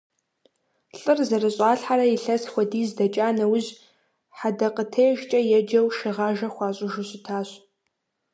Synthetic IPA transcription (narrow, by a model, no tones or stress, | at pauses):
ɬʼɨrzɐrɨɕʼaːɬħaɾɐjiɬɐsxʷɐdiːzdɐt͡ʃʼaːnɐwʊʑ | ħadɐqʼətʰeːʒt͡ʃʼɐjɛd͡ʒɐwʃɪʁaːʒɐxʷɑːɕʼʊʒʊɕɪtʰaːɕ